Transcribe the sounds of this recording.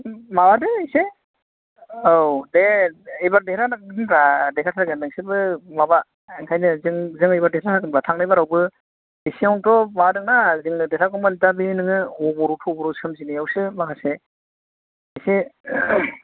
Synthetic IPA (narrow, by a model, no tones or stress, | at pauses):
mabadɯejse | owdeejbaɾdeɾanɯɯnɾadekʰatʰaɡɯndɯŋsɯbɯmaba | eŋkʰajnɯzɯŋzɯŋɯjbaɾdehɾatʰaɡɯnbatʰaŋnajbaɾawbɯ | esiawntɔmadɯŋnazɯŋɯdehɾakɔmantabinɯŋɯɔbɔɾutʰɔbɔɾusɯmzinijawsɯmakʰase | ejse